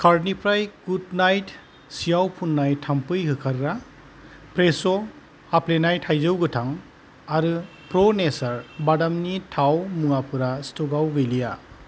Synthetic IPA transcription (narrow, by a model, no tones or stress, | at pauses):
kʰaɾnipʰɾajɡudnajt | sijawpʰunːajtʰampɯjɦɯkʰaɾɾa | pɾesɔ | haplenajtʰhajzɯwɡɯtʰaŋ | aɾɯ | pɾɔnesaɾbadamnitʰawmɯŋapʰɯɾastɔɡawɡejlija